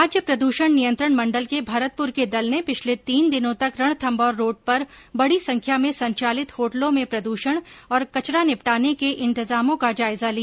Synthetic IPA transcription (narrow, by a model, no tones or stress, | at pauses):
aːd͡ʒjəpɾɐd̪uːʃəɽ̃nijə̃nt̪ɾəɳ̃mɐ̃ɳɖəlkebʱaɾət̪̚pʊɾked̪ɐlnepɪt͡ʃʰlet̪iːnd̪ɪnõt̪ɐkɾɐɽ̃t̪ʰɐ̃mbɔːɾːoːɖ̚pɐɾ | bɐɽisɐ̃ŋkʰjamẽsɐ̃ɲt͡ʃaːlɪt̪hoːʈlõmẽpɾɐd̪uːʃəɽ̃ɔːɾkɐt͡ʃɾanɪpʈaːnekeʔɪ̃nt̪ɪzaːmõkad͡ʒaːɪzalija